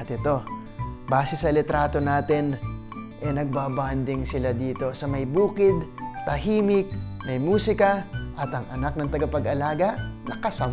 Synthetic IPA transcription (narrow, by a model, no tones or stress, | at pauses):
ɐt̪ɪt̪o̞ | baːsɛsɐlɛt̪ɾaːt̪o̞naːt̪ɪn | ʔɛnɐɡ̚baband̪ɪŋsɪlad̪iːt̪o̞sɐmɐjbuːkɪd̪t̪ɐhiːmɪk̚mɐjmuːsɪkɐʔɐt̪ɐŋʔɐnak̚nɐŋt̪ɐɡɐpɐɡɐlaːɡɐnɐkɐsɐm